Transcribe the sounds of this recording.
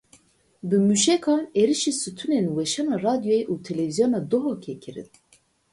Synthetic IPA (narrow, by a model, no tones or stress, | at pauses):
bɨmyʃɛkʰɑːneɾiʃiːsɨt̪ʰunenwɛʃɑnɑːrɑːd̪ijojeʔuːt̪ʰɛlɛvizijonɑːd̪oɦokʰɛkʰɨɾɨ̰n